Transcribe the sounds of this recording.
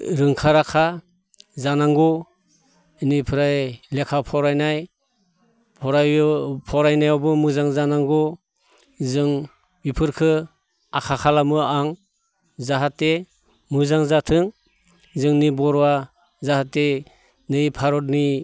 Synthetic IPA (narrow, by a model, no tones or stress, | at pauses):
ɾɯŋkʰaɾakʰa | zanaŋɡɔ | nipʰɯɾajlekʰapʰɔɾajnaj | pʰɔɾajpʰɔɾajnajawbɯmɯzaŋzanaŋɡɔ | zɯŋ | bipʰɯɾkʰɯ | akʰakʰalamɯaŋ | zaɦate | mɯzaŋzatʰɯŋ | zɯŋnibɔɾwa | zahate | nɯjpʰaɾɔt̚ni